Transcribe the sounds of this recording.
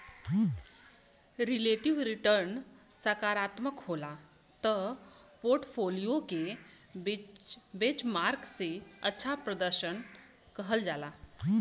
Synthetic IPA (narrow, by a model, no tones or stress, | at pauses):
ɾileʈiʋɾiʈəɾn | səkaɾat̪məkɦola | t̪ə | poɾʈfʰolijoke | bet͡ɕmaɾkseətːɕʰapɾəd̪əɾɕən | kəɦəld͡zala